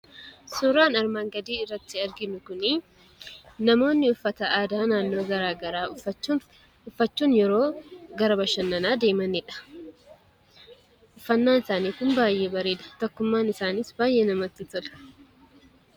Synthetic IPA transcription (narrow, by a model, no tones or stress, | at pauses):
sʊɾaːnɐɾmaːŋɡɐd̪iːɪrːɐt̪ːɪɐɾɡɪnʊkʊni | nɐmo̞ːnːɪʊfːɐt̪ɐʔaːd̪aːnaːnːo̞ːɡɐɾaːɡɐɾaː | ʊfːɐt͡ʃːuːnjɛɾo̞ːɡɐɾɐbɐʃɐnːɐnaːd̪e̞ːmɐnɪᶑɐ̥ | ʔʊfːɐnːaːnɪsaːniːkʊnbaːjʔe̞ːbɐɾeːᶑɐ̥t̪ɔkːʊmːaːnɪsaːniːsbaːjʔeːnɐmɐt̪ːɪt̪ʊᶑɐ̥